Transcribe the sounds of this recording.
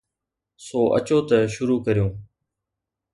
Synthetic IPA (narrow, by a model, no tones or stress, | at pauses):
soːʔə̰t͡ʃoːt̪əʃʊɾuːkəɾijõː